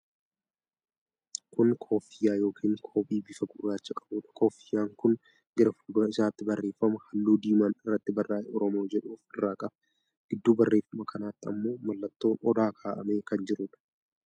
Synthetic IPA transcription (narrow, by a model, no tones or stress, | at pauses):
kʊnkʰoːfɪjaːjo̞ːkʰiːŋkʰo̞ːpʼiːbɪfɐɡʊːaːt͡ʃːɐkʼɐ̥buːᶑɐ̥kʰoːfɪjaːŋkʊn | ɡɪɾɐfulɡɐmɐɪsaːt̪ːɪbɐrːe̞ːfːɐmɐhɐlːuːd̪iːmaːnɪrːɐt̪ːɪbɐrːaːɛɔɾɔmo̞ːd͡ʒɛᶑuːfɪrːaːkʼɐb | ɡ̥ɪd̪ːuːbɐrːeːfːɐmɐkʰɐnaːt̪ːɪɐmːo̞ːmɐlːɐt̪ːo̞ːnʔɔd̪aːkʰaːʔɐme̞ːkɐnd͡ʒɪɾʊᶑɐ̥